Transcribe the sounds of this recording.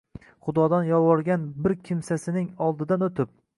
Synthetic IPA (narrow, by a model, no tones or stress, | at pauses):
χʊd̪ɒd̪anjɒwɒɾɡʲanbɪɾkʲʰɪmsasɪnɪŋɒlˠd̪ɪd̪anɵt̪ʰɪp̚